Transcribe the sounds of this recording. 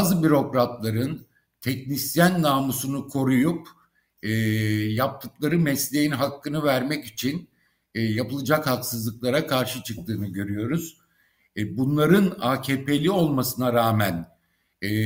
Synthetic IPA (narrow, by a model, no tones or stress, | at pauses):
bzɯbyɾo̞kɾat̪lˠaɾɯn | t̪ʰɛcnisjænːaːmusunukʰo̞ɾujup | ɛːjap̚t̪ʰɯklˠaɾɯmɛslʲe̞jinɦakːɯnɯvæɾmɛcit͡ʃʰinː | japɯlˠɯd͡ʒakhaksɯzlˠɯklˠaɾakʰaɾʃɯt͡ʃʰɯk̚t̪ʰɯːnɯɟø̞ɾyjo̞ɾuz̥ | bunlˠaɾɯnaːcʰe̞ːpʰe̞lʲio̞lˠmasɯnaɾaːmæn | ɛː